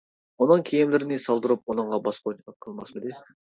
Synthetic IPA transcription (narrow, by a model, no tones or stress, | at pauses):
onɨŋkʲʰejimlɪɾɪnɪsɑlˠd̪ɨɾup̚onəɴʁɑbɑsqʰoqʰəlˠmɑsmɨd̪ɪ